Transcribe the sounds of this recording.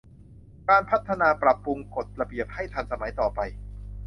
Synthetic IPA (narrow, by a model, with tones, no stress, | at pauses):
kaː˧npʰa˦˥t̪ʰːa˧naː˧pɾa˨˩pːu˧ŋko˨˩t̪̚ɾa˧bi˨˩əp̚ha˥˩jt̪ʰa˧nsa˧ma˩˦jt̪ɔː˨˩pa˧j